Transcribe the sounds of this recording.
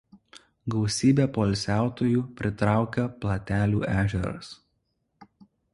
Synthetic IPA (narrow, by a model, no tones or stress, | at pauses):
ɡɐʊsʲiːbʲeːˑpoːlʲsʲæˑʊt̪oːjuːpʲɾʲɪt̪ɾɑˑʊkʲɛplˠɐt̪ʲæːlʲuːʔæːʒʲɛɾɐ̰s